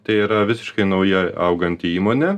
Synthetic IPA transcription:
t̪ɐɪiːɾɐʋʲɪsʲɪ̥ʃkɐɪnɐʊjɛɐʊɡɐnʲt̪ʲɪiːmoːnʲɛ

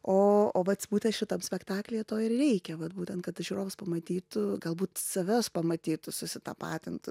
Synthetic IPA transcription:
oːoːʋɐt̪sbuːt̪ʲɛnt̪ʃʲɪt̪ɐmsʲpʲɛkt̪ɑːklʲejɛt̪oːɪrrʲɛɪkʲɛʋɐt̪buːt̪ʲɛnt̪̚kɐt̪ʒʲuːɾoːʋʊspɐmɐt̪ʲiːt̪ʊɡɐlˠbuːt̪sɐʋʲoːspɐmɐt̪ʲiːt̪ʊsʊsʲɪt̪ɐ̰pɑːt̪ʲɪnt̪ʊ

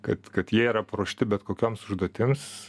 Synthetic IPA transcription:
kɐt̪kɐt̪jiɛiːɾɐpɾoːʃʲt̪ʲɪbʲɛt̪koːkʲoːmsʊʒd̪oːt̪ʲɪms

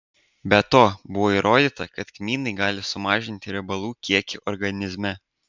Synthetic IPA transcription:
bʲɛt̪oːbʊʋoːiːɾʔoːd̪ʲiːt̪ɐkɐt̪kʲmʲiːnɐɪɡɑːlʲɪsʊmɑːʒʲɪnʲt̪ʲɪɾʲɛbɐlˠuːkʲiɛkʲuʔɔɾɡɐnʲɪzʲmʲɛ

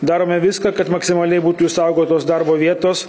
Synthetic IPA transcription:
d̪ɑːɾoːmʲɛʋʲɪskɐkɐt̪mɐksʲɪmɐlʲɛɪbuːt̪ʊɪʃsɑʊɡoːt̪oːsd̪ɐɾboːʋʲiɛt̪oːs

